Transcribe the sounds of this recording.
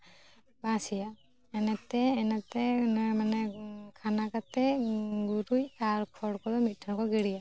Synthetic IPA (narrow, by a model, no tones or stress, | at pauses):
bãsija | ɛnat̪ɛːnat̪ɛnamanɛkʰanakat̪ɛɡuɾujaɾkʰɔɽkɔdɔmit̪̚ˀtʰankɔɡiɽija